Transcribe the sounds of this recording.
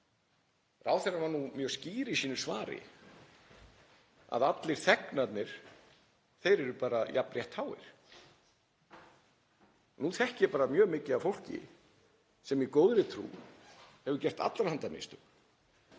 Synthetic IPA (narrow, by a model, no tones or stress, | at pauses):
ra̰ːwθɛnaɾvanumjœːsciːɾɪisiːnʏɾ̥svaːɾɪ̰ | a̰ðat̪lɪɾ̥θɛknat̪nɪɾ̥ | θejɾɛɾʏpaːɾajaprjɛht̪haːwɪ̰ɾ̥ | nuθɛhcɪɛpaːɾamjœːmɪːcɪavfowl̥cɪ̰ | sɛmjɛkoːwðɾɪt̪ʰɾṵːhɛvʏcɛr̥t̪a̰t̪laɾ̥hant̪amḛst̪ʏk